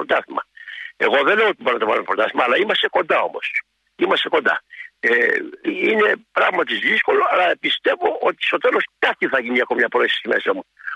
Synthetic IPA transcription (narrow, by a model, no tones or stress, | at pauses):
ɾot̪ɐθimɐ̰e̞ɣo̞ðele̞oot̪iboɾonɐt̪ɐvɐnfɾot̪ɐθimɐːlɐimɐst̪e̞ko̞nd̪ɐo̞̰mo̞̰s | imɐst̪e̞kond̪ɐ̰e | ine̞pɾɐɣmɐt̪izðisko̞lo̞ɐlɐpist̪e̞vo̞o̞t̪i̥st̪o̞t̪elo̞skɐt̪iθɐʝiniɐkomimɲɐpɾoesi̥sime̞̰sɐmu